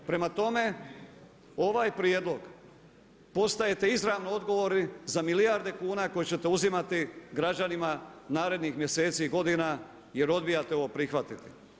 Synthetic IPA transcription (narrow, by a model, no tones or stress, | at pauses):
pɾe̞mat̪o̞me̞ | o̞ʋaːjpɾjed̪lˠo̞ɡ | po̞st̪aje̞t̪e̞izɾaʋnoo̞d̪ɡo̞ʋo̞ɾizamilijaɾd̪e̞kuːnako̞jet͡ɕe̞t̪euzimat̪iɡɾad͡ʑanimanaːɾe̞d̪nixmje̞se̞ːt̪siːɡo̞d̪ina | je̞ɾo̞d̪bijat̪eo̞ʋopɾixʋat̪it̪i̥